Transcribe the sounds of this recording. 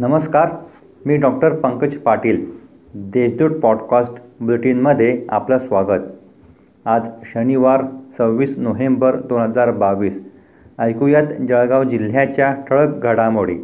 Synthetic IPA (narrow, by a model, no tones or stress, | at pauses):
nəməskaɾ | miːɖɔkʈəɾpəŋkət͡ɕpaʈiːl | d̪eɕd̪uːʈ̚pɔɖkasʈbuleʈinməd̪ʱːjea̰plasʋaɡət̪ | ad͡zɕəniʋaɾt͡səwʋiːsnoɦembəɾd̪onɦəd͡zaɾbaʋiːs | əjkujat̪d͡ʑəɭɡaʋd͡ʑil̤jat͡ɕjaʈ̪ʰəɭəkɡʱəɽamoɽḭ